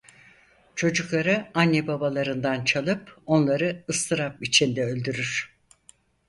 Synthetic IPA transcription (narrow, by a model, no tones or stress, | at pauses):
t͡ʃʰo̞d͡ʒuklˠaɾɯanːebabalˠaɾɯnd̪ant͡ʃʰalˠɯpo̞nlˠaɾɯɯst̪ʰɯɾapit͡ʃʰind̪ɛø̞lʲd̪yɾyɾ̥